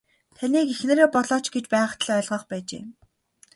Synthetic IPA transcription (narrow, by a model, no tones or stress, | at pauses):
t̪ʰaniːkixnĕːɾeːpɔɮɔːt͡ɕɡet͡ɕpæ̆ːt̪ʰɮœːɮʁœːχpæːt͡ɕḛː